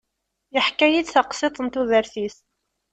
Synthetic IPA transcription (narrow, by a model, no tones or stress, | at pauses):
jəħkːæjid̪θɑqsˤet̪ˤənt̪uðəɾθiθ